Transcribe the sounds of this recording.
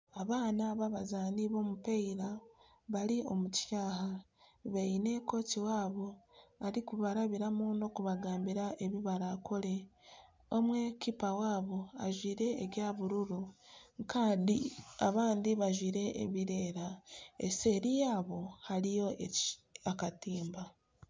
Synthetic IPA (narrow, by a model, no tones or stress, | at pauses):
aβaːnaβaβazaːniβo̞ːmupeiɾa | βaɾio̞mutjaːha | βeine̞ko̞ːtiwaːβo̞aɾikuβaɾaβiɾamuno̞kuβaɡaːmbiɾaʔe̞βiβaɾakʰo̞le̞ | o̞mwe̞kipawaːβo̞a̰ʒwiːɾe̞ːɡjaːβuɾuɾuŋkaːndia̰βaːndiβaʒwiːɾe̞̰ːβiɾe̞ːɾaḛse̞ɾijaːβo̞haɾijo̞eakatiːmba